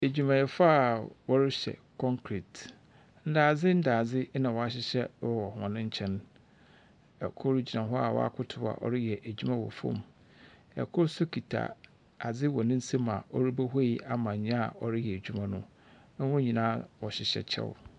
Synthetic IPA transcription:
e˨d͡ʑᶣu˨mã˨jɛ˨fa˦˨wɔ˦ɾɪ˦ɕɛ̰˨kʰɔ̃˦ŋkʰɾi˨t | n̩˦daː˨d͡zɪ˦n̩˦daː˨d͡zɪ˦nã˨wɔ˨a˦ɕɪ˦ɕɛ˦ɔ˨ɔ˨hɔ̃˨nɪ̃˦ɲ̩˦t͡ɕʰɛ̃˦n | ɛ̰˨kʰʊ˦ɾi˦d͡ʑi˨nã˨ɦɔ˦a̰˨wɔ̰˦a̰˦kʰʊ˦tʰʊ˦ba̰˨ʔɔ̰˦ɾɪ˦jɛ˨ʔæ˨d͡ʑᶣu˦mã˦wɔ̰˨fɔ̰̃˦˨m | ɛ̰˨kʰʊ˦ɾsʊ˦kʰi˨tʰa̰˨ | a˨d͡zɪ˦wɔ˨nɪ̃˦n̩˦se˦mã˨ɔ˦ɾi˦bæ˦ɦe˦i˦a˨mã˨ɲ˨ɲ˦ã˦a˨ɔ˦ɾɪ˦jɛ˨æ˨d͡ʑᶣu˦mã˦nʊ̃˦ | ɛ˦wʊ̃˦ɲĩ˨nãː˦wɔ˨ɕɪ˨ɕɛ̰˨t͡ɕʰɛ̰˦w̰

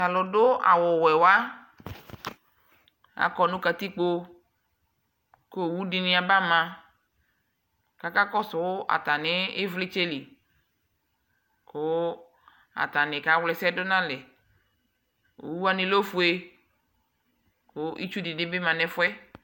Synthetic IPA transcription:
a˨lʊ˨dʊ˦a̰˨wʊ˨wɛ˨wa˦ | a̰˨kɔ˨nʊ̃˦ka˨t̪i˦k͡po˦ | ko˦˨wu˦dɪ˨nɪ̃˦a˨ba˦mã˨ | ka˨ka˦kɔ˦sʊ˨wʊ˦ʔa̰˨t̪a˨nɪ˦ɪ˦vlɪ˦t͡ʃe˦li˨ | kʊ˦ | a̰˨t̪a˨nɪ˨ka˨˦wlɛ˨sɛ˦dʊ˦nã˦lɪ˨ | o̰˨wu˦a˦nɪ˨lo˦fu˨e˨ | kʊ˦ʔḭ˦t͡ʃu˦dɪ˨nɪ˦bɪ˦mã˨nɛ˦fʊ˦ɛ˦

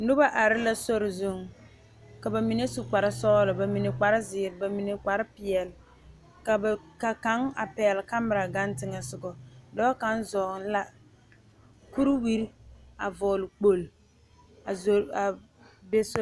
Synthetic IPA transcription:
nʊ˦ba˦ʔa˨ɾɪ˦la˦so˦ɾɪ˨zʊ˨ŋ | ka˨ba˨mi˨ne˦su˨k͡pa˨ɾɪ˦sɔː˦lʊ˨ba˨mi˨ne˨k͡pa˨ɾɪ˦zɪː˨ɾba˨mi˨ne˨k͡pa˨ɾɪ˦pɪ˨ɛ˨l | ka˨bka˨ka˦ŋa̰˨pɛ˨lɪ˨ka˦mɪ˨ɾa˨ɡa˦ntɪ˦ŋɛ˨sʊ˨ɡɔ˨dɔ˦ka˦nzɔː˨ŋ˦la˦ | ku˦ɾwi˦ɾa̰˨vɔː˨lɪ˨k͡po˨l | a˨zo˨a˨ | be˦so˦

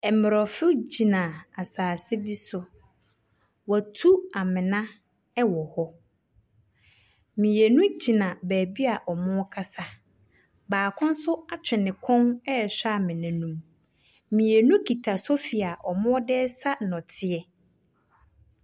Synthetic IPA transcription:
ɛ˨mɪ˨ɾɔ˨fʊ˦d͡ʑi˨nã˨a˨saː˨sɪ˦bi˦sʊ˨ | wɔ˨tʰu˦a˨mɪ̃˨nã˦ | ɛ˦wɔ˨hɔ˦ | mĩ˨e˨nũ˦d͡ʑi˨nã˨bæː˨bi˦a˨ʔɔ˨mʊ̃˦ɔ˦kʰa˦sa˦ | baː˨kʰʊ̃˦n̩˦sʊ˦a˨t͡ɕʰᶣɪ˨nɪ̃˨kʰɔ̃˦nɛ˦˨ɕᶣa˦˨mɪ̃˨nã˨nũ˦m | mĩ˨e˨nũ˦kʰi˨tʰa˨sʊ˦fi˨a˨ʔɔ˨mʊ̃˦ɔ˦dɛ˦sa˦nɔ̃˨tʰɪ˦ɛ˨

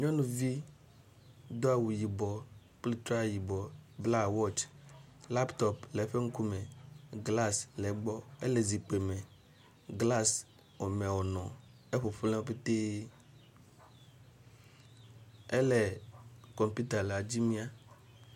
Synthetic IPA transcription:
ɲɔ̃˦nũ˨vi˦ | d̪o˦a˨wu˨ji˨bɔ˨ | k͡pli˦t̪ɾa˦˨ji˨bɔ˨bla˦wɔ˦t͡ʃ | la˦pt̪ɔ˨plɛ˨˦ɸe˦ŋ̩˦ku˦mẽ˨ɡla˦slɛ˨˦ɡ͡bɔ˦ḛ˦le˨zi˨k͡pe˨mẽ˨ | ɡla˦s | ɔ˨mẽ˨wɔ˨nɔ̃˨ | e˦ɸo˨ɸlẽ˦pe˦t̪e˦ | e˦lɛ˨kɔ˨mpu˦t̪a˨le˨a˨d͡ʑi˦mĩ˦a˦

